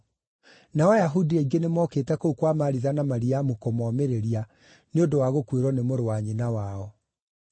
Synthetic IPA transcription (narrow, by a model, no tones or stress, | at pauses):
nawajaɦudieiɡenemɔketɛkoukwamaɾiðanamaɾiamukomɔmeɾeɾia | neondowaɣokweɾɔnemoɾowaɲinawaɔ